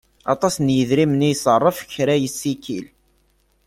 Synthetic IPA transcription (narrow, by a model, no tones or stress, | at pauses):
ɑ̰t̪ˤɑsnjəðɾimnijsˤərˤːəfçɾæjəsːikḭl